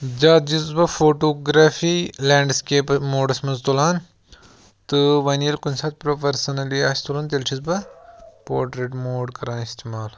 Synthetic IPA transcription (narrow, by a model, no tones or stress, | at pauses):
d͡ʒaːt̪̚d͡ʒizbɐfoːʈoːɡɾaːfiːlaːɳɖskeːpmoːɖɐsmɐnzt̪olaːn | t̪ɨʋɐnijɐlkunsaːt̪pɾopɐɾsɐnɐliaːst̪olɐːnt̪ɐlt͡ʃʰizbɐpoːɾʈɾeːʈmoːɖkɐɾaːnist̪eːmaːl